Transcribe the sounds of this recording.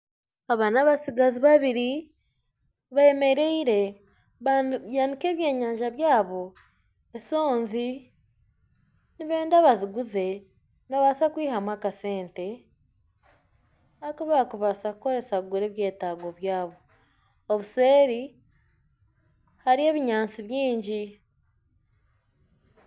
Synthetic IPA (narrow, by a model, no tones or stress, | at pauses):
aβanaβasiɡaziβaβiɾi | βaeme̞ɾe̞iɾe̞ | jaːndike̞ːβje̞ːɲaːɲʒaβjaːβo̞ | eso̞ːnzi | niβe̞ːndaβaziɡuze̞ | naβasakwiːɦamwakase̞ːnte̞ | akuβakuβasakuko̞ɾe̞sakuɡuɾe̞ːβje̞ːtaːɡo̞βjaːβo̞ | oβuse̞ːɾi | haɾie̞ːβiɲaːnt͡siβjiːɲɟi